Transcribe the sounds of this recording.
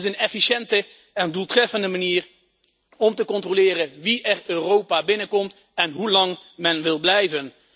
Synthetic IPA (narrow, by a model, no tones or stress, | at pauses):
ɪsənɛfiʃɛntə | ɛndulˠtrɛfəndəmaniːr | ɔmtəkɔntrolɪːrəʋiʔɛrøːrowpaːbɪnəkɔmt | ɛnɦulɑŋmɛnʋɪlˠblɛjvən